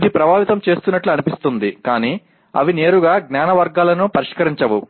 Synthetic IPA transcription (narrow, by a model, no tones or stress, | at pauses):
d̪ipɾɐbʱaːʋit̪ɐmt͡ʃe̞ːst̪unːɐʈluɐnipist̪und̪ikaːniː | ɐ̰ʋine̞ːɾuɡaːɡnaːnɐʋɐɾɡaːlɐnupɐɾiʂkɐɾiɲt͡ʃɐʋu